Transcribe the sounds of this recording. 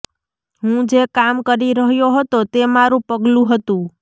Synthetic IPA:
ɦũd͡ʒekamkəɾiɾəɦjoɦət̪ot̪emaɾũpəɡlũɦət̪ũ

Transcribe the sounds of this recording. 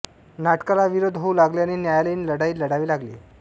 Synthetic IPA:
naʈkalaʋiɾod̪ʱɦoulaɡleaniːnjajaləinləɽaiːləɽaʋiːlaɡlḛː

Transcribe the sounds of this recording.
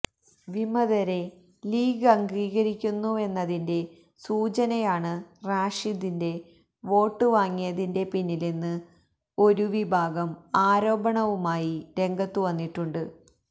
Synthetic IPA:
ʋimɐðɐɾe̞ | liːɡɐŋɡiːɣɐɾikʲːunːue̞nːɐðinde̞ | suːt͡ɕɐnɐjaːɳɨraːʂiðinde̞ | ʋo̞ːʈːɨʋaːŋːijɐðinde̞pinːilenːɨ | o̞ɾuʋibʱaːɡɐmaːɾo̞ːbɐɳɐʋumaːjiɾe̞ŋɡɐt̪ːuʋɐnːiʈːuɳɖɨ

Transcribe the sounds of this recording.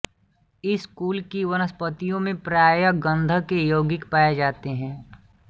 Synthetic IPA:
ɪskuːlkiʋɐnəspət̪ijõmẽpɾaːjəɡə̃nd̪ʱəkejoːɡɪkpaːjed͡ʒaːt̪eɦɛ̃ː

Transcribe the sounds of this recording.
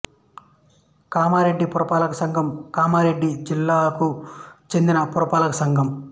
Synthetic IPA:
kaːmaːɾe̞ɖːipuɾɐpaːlɐkɐsɐŋɡʱɐmkaːmaːɾe̞ɖːid͡ʒilːaːkut͡ʃe̞nd̪inɐpuɾɐpaːlɐkɐsɐŋɡʱɐm

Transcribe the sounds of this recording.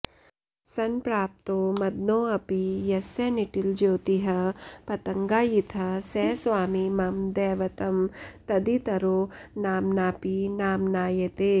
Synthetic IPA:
sɐnpɾaːp̚t̪oːmɐd̪̚noːɐpijɐsɐniʈild͡ʒoːt̪iɦɐpɐt̪ɐŋɡaːjit̪ʰɐsɛːsʋaːmimɐmd̪ɛːʋɐt̪ɐmt̪ɐd̪it̪ɐɾoːnaːmnaːpinaːmnaːjɐt̪eː

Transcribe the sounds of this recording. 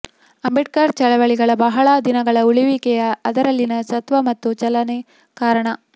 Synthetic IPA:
ɐmbiʈ̚kɐɾt͡ʃɐɭɐʋɐɭiɡɐɭɐbɐɦɐɭɐd̪inɐɡɐɭɐuɭiʋikɛjɐɐd̪ɐɾɐlːinɐsɐt̪ʋɐmɐt̪ːut͡ʃɐlɐne | kaːɾɐɳɐ

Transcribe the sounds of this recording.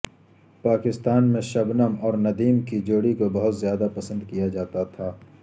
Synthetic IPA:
paːkɪst̪aːnmẽʃɐbnəmɔːɾnɐd̪iːmkid͡ʒoːɽikobɐɦʊt̪zjaːd̪apɐsə̃nd̪kijad͡ʒaːt̪at̪ʰaː

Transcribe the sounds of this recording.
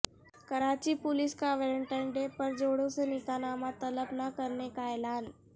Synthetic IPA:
kɐɾaːt͡ɕipʊlɪskaʋeːləɳʈaɪnɖepəɾd͡ʑoːɽõsenɪkanaːmat̪ɐləpnəkɐɾnekaɛːlaːn

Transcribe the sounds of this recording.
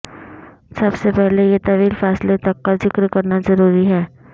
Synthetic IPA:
sɐbsepɛɦlejet̪ɐʋiːlfɛːslet̪ɐkːazɪkɾkɐɾnazɐɾuːɾiɦɛː

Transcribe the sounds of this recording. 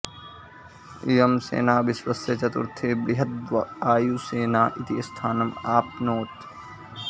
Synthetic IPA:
ijɐmsḛːnaːʋɪswɐsjɐt͡ʃɐt̪ṵɾt̪ʰeːbɾiɦɐt̪̚ʋɐaːjuːseːnaːʔit̪iɐst̪ʰaːnɐmaːpnoːt̪

